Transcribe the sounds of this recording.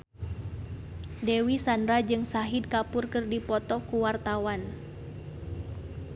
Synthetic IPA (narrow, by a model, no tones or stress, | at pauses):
dewisandɾad͡ʒɨŋsaɦid̚kapurkɨrdipɔt̪ɔkuwart̪awan